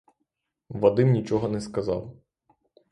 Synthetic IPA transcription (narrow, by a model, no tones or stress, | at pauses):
ʋɐd̪ɪmnʲit͡ʃɔɦɔnɛskɐzɑ̰w